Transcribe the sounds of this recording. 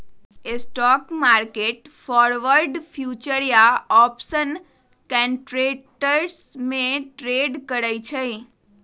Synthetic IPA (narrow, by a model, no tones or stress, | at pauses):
esʈɔkmaɾkeʈfɔɾʋəɾɖfʰjut͡ʃəɾjaɔpsən | kɛɳʈɾeʈəɾsmeʈɾeɖkəɾajt͡ʃʰej